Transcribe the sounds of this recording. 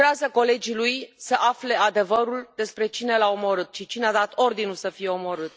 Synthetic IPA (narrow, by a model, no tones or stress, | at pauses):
eazəko̞le̞d͡ʒilujsəʔafle̞ad̪e̞vəɾuld̪e̞spɾe̞t͡ʃine̞laomo̞ɾɨt̪̚ʃit͡ʃinead̪at̪o̞rd̪inulsəfije̞o̞mo̞ɾɨt̪